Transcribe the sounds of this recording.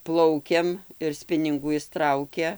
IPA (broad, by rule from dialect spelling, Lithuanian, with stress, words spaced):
ˈplˠɐʊkʲɛm ɪr ˈsʲpʲɪnʲɪŋɡuː ˈɪs ˈtrɐʊkʲɛ